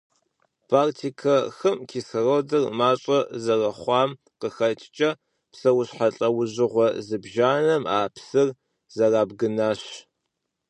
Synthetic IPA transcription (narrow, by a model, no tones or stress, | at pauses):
pʰaːrtʰikʰɐxɨmkʰiːsɨrodɨrmaːɕʼɐzɐrɐχʷɑːm | qəxɐtʰt͡ʃʼɐ | psɐwʊɕħaɬʼɐwʊʑɪʁʷɔzɨbʒaːnɐmaːpsɨr | zɐraːbɡɨnaːɕ